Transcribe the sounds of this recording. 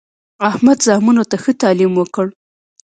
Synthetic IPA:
ahmad̪zɑhmunot̪axət̪ɑlimwəkəɽ

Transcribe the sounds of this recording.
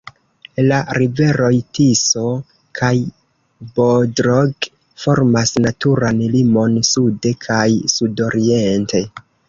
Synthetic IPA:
laɾive̞ɾo̞jtiso̞ | kʰaj | bodɾoɡ | fo̞ɾmasnatuɾanlimo̞nsude̞kʰajsudo̞ɾiente̞

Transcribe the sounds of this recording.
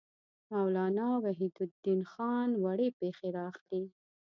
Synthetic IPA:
mawlɑnɑwaɦid̪ʊd̪inxɑnwaɽepexeɾɑxli

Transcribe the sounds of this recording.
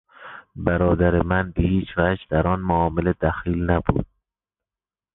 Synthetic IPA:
bæɾɒːd̪æɾemænbehiːt͡ʃvæd͡ʒd̪æɾɒːnmoɒːmeled̪æxiːlnæbṵːd̪̥̚

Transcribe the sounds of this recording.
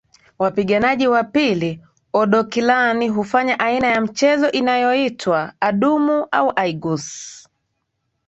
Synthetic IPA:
wapiɠanaʄiwapili | ɔɗɔkilaniɦufaɲaʔainajam̩t͡ʃɛzɔʔinajɔitʰwaːɗumuʔa̰uʔaiɡus

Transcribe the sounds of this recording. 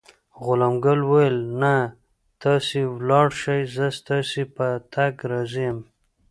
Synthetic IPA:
ɣʊlɑmɡalwajelna | t̪ɑsiwlɑɽʃajzəst̪ɑsipət̪ʰaɡɾɑzijm

